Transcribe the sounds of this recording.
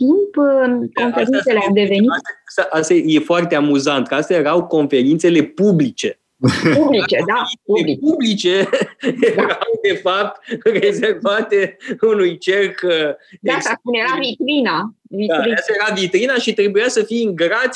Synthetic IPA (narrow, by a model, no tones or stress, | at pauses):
t̪impko̞neɾinseleawd̪e̞ve̞niasaʔast̪aje̞foart̪e̞amuzant̪kast̪ajeɾawko̞nfe̞ɾint̪se̞le̞publit͡ʃe̞ | publit͡ʃed̪aiepublit͡ʃe̞jeɾawd̪e̞fap̚t̪re̞ze̞rvat̪eunujt͡ʃe̞rkd̪aasasunjeɾavit̪ɾinaviaiast̪ajeavit̪ɾinaʃit̪ɾe̞bujasəfijɨŋɡɾat̪sʲ